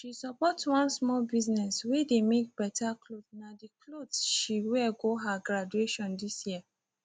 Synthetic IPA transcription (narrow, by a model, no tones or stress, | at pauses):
ʃisɔpɔtwãnsmɔlbiznɛswedemek̚bɛtaklodnadiklodsʃiwɛɡoɦaɡɹad͡ʒueʃɔ̃ndisjia